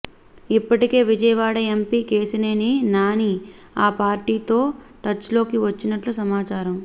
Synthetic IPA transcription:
ipːɐʈike̞ːʋid͡ʒɐjɐʋaːɽɐempiːke̞ːsine̞ːninaːniː | aːpaːɾʈiːt̪o̞ːʈɐt͡ʃlo̞ːkiʋɐt͡ʃːinɐʈlusɐmaːt͡ʃaːɾɐm

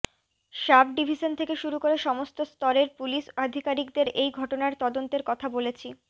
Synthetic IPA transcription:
ʃabɖibʱiʃont̪ʰekeʃuɾukoɾeʃɔmost̪ost̪ɔɾeɾpuliʃad̪ʱikaɾikd̪eɾejɡʱɔʈonaɾt̪ɔd̪ont̪eɾkɔt̪ʰabolet͡ɕʰi

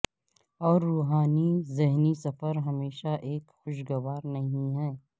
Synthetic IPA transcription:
ɔːɾːuːɦaːnizɪɦnisɐfəɾɦɐmeːʃaʔeːkxʊʃɡɐʋaːɾnɐɦĩɦɛː

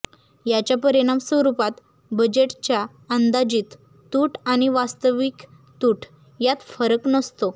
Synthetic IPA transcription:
jat͡ɕjapəɾiɽ̃amsʋəɾupat̪ | bəd͡ʑeʈt͡ɕja | ənd̪ad͡ʑiːt̪ː | uːʈaɽ̃iʋast̪əʋik | t̪uːʈʰ | jat̪fəɾəknəst̪o

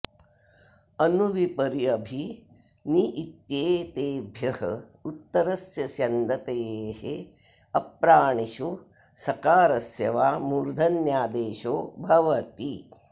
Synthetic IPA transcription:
ɐnuʋipɐɾiɐbʱi | niʔːt̪jeːt̪eːbʱjɐhɐ̰ | ut̪ːɐɾɐsjɐsjɐnd̪ɐt̪eːhe | ɐpɾaːɳiʃu | sɐkaːɾɐsjɐʋaːmuːɾd̪ʱɐnjaːd̪eːʃoːbʱɐʋɐt̪i

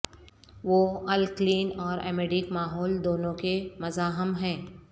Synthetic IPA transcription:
ʋoːɐlkliːnɔːɾɛ̰ːmeːɖɪkmaːɦɔːld̪oːnõkemɐzaːɦɪmɦɛ̃ː

